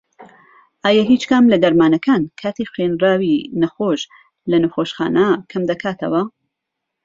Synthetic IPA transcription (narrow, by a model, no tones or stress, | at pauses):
ʔaːjaɦit͡ʃkɐmlɐd̪ɐɾmaːnɐkʰaːnkʰaːt̪ʰexwenraːwinɐxoʃ | lɐnɨxoːʃxa̰ːnɐkʰɐmd̪ɐkʰaːt̪ʰɐwɐ